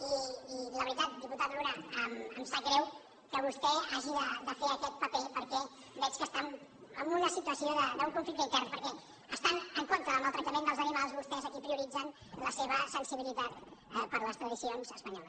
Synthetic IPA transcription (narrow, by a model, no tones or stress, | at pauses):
iːləβɾit̪at̪̚d̪iput̪at̪uɾaəməmsaɡɾɛw | kəβust̪ɛaʒiðəd̪əfeəkɛt̪̚pəpepəɾkɛ | bɛt͡ʃkəst̪aməmbunəsit̪uwəsioðəd̪əuŋkuɱflikt̪əint̪ɛrnpəɾkɛ | əst̪anəŋkont̪ɾəːməlˠt̪ɾək̚t̪əmẽnd̪əlˠzənimalˠzβust̪ɛzəkipɾiuɾid͡zən | ləseβəsənsiβilit̪at̪ɛpəɾləst̪ɾəðisionzəspəɲɔləs